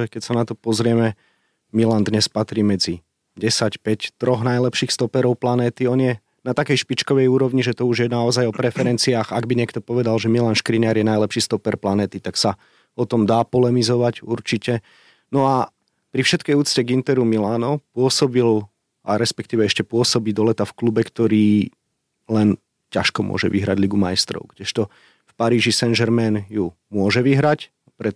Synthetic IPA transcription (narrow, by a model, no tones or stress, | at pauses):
ɛkɛcsanat̪ɔpɔzɾɪɛmɛ | milaːnd̪ɲɛspat̪ɾiːmɛd͡zi | ɟɛsacpɛct̪ɾɔɣnajlɛpʃiːxst̪ɔpɛɾɔʊplanɛːt̪iɔnjɛ | nat̪akɛjʃpit͡ʃkɔʋɛjuːɾɔʋɲiʒɛt̪ɔuʒjɛnaɔzajɔpɾɛfɛɾɛnt͡siaːxaɡbiɲɪɛkt̪ɔpɔʋɛd̪alʒɛmilaːnʃkɾinɪaɾjɛnajlɛpʃiːst̪ɔpɛɾplanɛːt̪it̪aksa | ɔt̪ɔmd̪aːpɔlɛmizɔʋacuɾt͡ʃicɛ | nɔa | pɾifʃɛt̪kɛjuːt͡scɛɡint̪ɛɾumilaːnɔpʊɔsɔbil | ʔa̰ɾɛspɛkt̪iːʋɛɛʃcɛpʊɔsɔbiːd̪ɔlɛt̪afklubɛkt̪ɔɾiː | lɛn | caʃkɔmʊɔ̰ʒɛʋiɦɾa̰ɟliɡumajst̪ɾɔ̰ʊɡɟɛʃt̪ɔ | fpaɾiːʒisɛnʒɛɾmɛnju | mʊɔʒɛʋiɦɾac | pɾɛ